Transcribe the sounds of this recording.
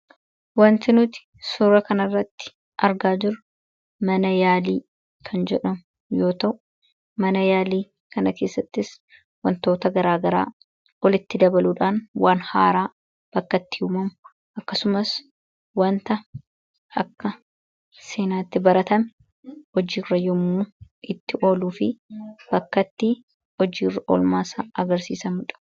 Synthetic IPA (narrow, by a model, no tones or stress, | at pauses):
wɐnt̪ɪnʊt̪ɪ̥ | sʊɾɐkɐnɐrːɐt̪ːɪ̥ | ʔɐɾɡaːd͡ʒɪɾʊ̥ | mɐnɐjaːliː | kʰɐnd͡ʒɛᶑɐmʊ | jo̞ːt̪ɐʔʊ | mɐnɐjaːliː | kɐnɐke̞ːsːɐt̪ːɪs | wɐnt̪o̞ːt̪ɐɡɐɾaːɡɐɾa̰ː | ɔlɪt̪ːɪd̪ɐbɐluːᶑaːnwaːnha̰ːɾaː | b̥ɐkːɐt̪ːɪhʊmɐmʊ | ɐkːɐsʊmɐs | wɐnt̪ɐ | ʔɐkːɐ | se̞ːnaːt̪ːɪbɐɾɐt̪ɐm | ɔd͡ʒiːrːɐjɔmːuːʔɪt̪ːɪʔo̞ːluːfɪb̥ɐkːɐt̪ːi | ɔd͡ʒiːrɐʔo̰ːlmaːsaːʔɐɡɐɾsḭːsɐmɪᶑɐ̥